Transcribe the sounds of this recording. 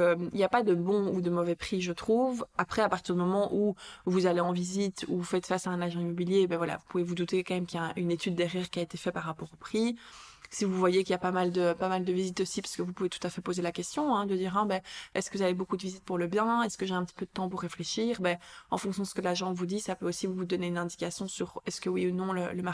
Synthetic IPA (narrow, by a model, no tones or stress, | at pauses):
əmḭljapad̪əbɔ̃ud̪əmɔvɛpχiʒət̪χuvapχɛapaʁt̪iʁd̪ymɔmɑ̃ʔuvuzaleɑ̃vizit̪ufɛt̪fasaɛ̃naʒɑ̃imɔbiljebɛvwala̰vupuvevud̪ut̪ekɑ̃mɛmkijaɛ̃ʔynet̪yd̪ːɛʁjɛːʁkʲiaet̪efɛpaʁːapɔʁopχisivuvwajekilijapamald̪əpamald̪əvizit̪osipḁskəvupuvet̪u̥t̪afɛpozelakʲɛst̪jɔ̃ɛ̃d̪əd̪iʁɛ̃bɛɛskəvuzavebokud̪əvizit̪̚puʁləbjɛ̃ɛskəʒeɛ̃pət̪i̥pød̪ət̪ɑ̃puʁːefleʃiːʁbɛɑ̰̃fɔ̃ksjɔ̃d̪əsəkəlaʒɑ̃vud̪isapøosivuvud̪ɔneynɛ̃d̪ikasjɔ̃syʁɛskəwiunɔ̃lələma